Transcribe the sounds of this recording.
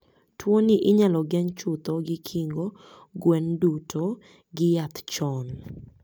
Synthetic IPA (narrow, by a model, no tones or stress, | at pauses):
twoniʔɪɲalɔɡɛɲt͡ʃʊt̪ɔɡɪkʰiŋɡo | ɡwɛndutʰo | ɡɪjat̪t͡ʃɔn